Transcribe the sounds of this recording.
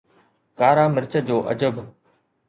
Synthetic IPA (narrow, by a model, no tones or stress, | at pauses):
kaːɾaːmɪɾt͡ɕəd͡ʑoːʔə̰d͡ʑəb